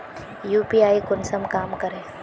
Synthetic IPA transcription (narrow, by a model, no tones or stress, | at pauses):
juːpiːaːikʊnsəmkaːmkɐɾẽː